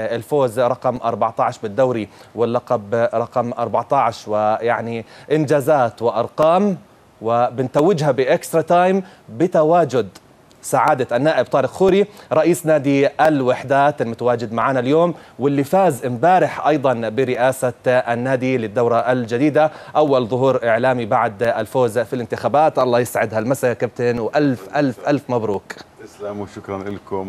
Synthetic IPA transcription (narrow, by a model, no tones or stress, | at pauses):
ɪlfoːzɾˤɑqɑmʔɑ̰ɾˤbɑʕt̪ɑʕʃbɪd̪ːawɾiwɪlːɑqɑbɾˤɑqɑmʔɑ̰ɾˤbaʕt̪ɑʕʃwɪjaʕniʔɪnd͡ʒaːzaːt̪wɪʔɑɾˤqɑːm | wɪbɪnt̪awːɪd͡ʒɦabɪʔɪkst̪ɾˤɑt̪aːjmbɪt̪awaːd͡ʒʊd̪ | saʕaːd̪aʔanːaːʔɪb̚t̪ˤɑːɾɪqxuːɾiɾˤɑʔiːsnaːd̪iʔalwaħd̪aːt̪ɪlmʊt̪awaːd͡ʒɪd̪maʕaːnaljoːmwɪlːifaːzɪmbaːɾɪħʔɑjd̪ˤɑnbɪɾɪʔaːsaanːaːd̪ilɪd̪ːawɾˤɑʔald͡ʒad̪iːd̪aʔawːalðˤʊɦuːɾʔɪʕlaːmibaʕd̪alfoːzfilɪnt̪ɪxaːbaːt̪ʔɑlˤːɑːjɪsʕɪd̪halmasajakab̚t̪anwʔalfʔalfʔalfmabɾuːklmʃʊkɾˤɑnʔɪlkʊm